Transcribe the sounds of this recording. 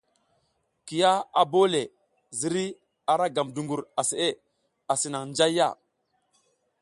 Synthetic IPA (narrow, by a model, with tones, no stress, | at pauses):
ki˨ja˦a˨bo˦le˨ | zi˨ɾi˦ | a˨ɾa˦ɡa˨mdu˨ŋɡu˨ɾa˨se˨ʔe˦ | a˨si˨na˨ŋnd͡ʒa˦jːa̰˦˨